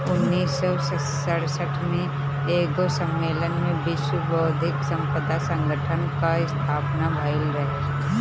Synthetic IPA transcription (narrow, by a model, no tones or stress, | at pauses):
ʊnːiːsːɔsə | əɽsəʈʰmẽ | eːɡosə̃mːeːlənmẽbɪʃwəbɔd̪ʱɪksə̃mpəd̪asə̃ŋɡəʈʰənkaɪst̪ʰaːpnabʱaɪlɾəɦe